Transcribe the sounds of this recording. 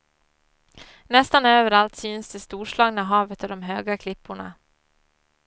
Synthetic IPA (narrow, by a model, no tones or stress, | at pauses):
nɛst̪anøːvəɾalt̪syːnsd̪ɛst̪uːʂɭɑːɡnaɦɑːvət̪ɔd̪ɔmɦøːɡakʰlɪpːʊɳa̰